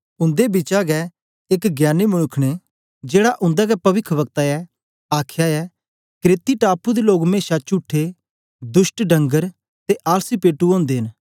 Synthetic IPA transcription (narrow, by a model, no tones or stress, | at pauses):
ʊ̃nd̪ebɪt͡ʃaɡɛ | ɪkɡjaːnːemʊnʊkʰːɽ̃e | d͡ʒeːɽaʔʊ̃nd̪aɡɛpɐʋɪkʰʋɐkt̪aɛ | aːkʰjaɛ | kɾeːt̪iʈaːpud̪eloːɡmeːʃat͡ʃuːʈʰːe | d̪ʊsʈɖɐ̃ŋɡəɾ | t̪eʔaːlsipeːʈːuõːnd̪eːɦɪ̃n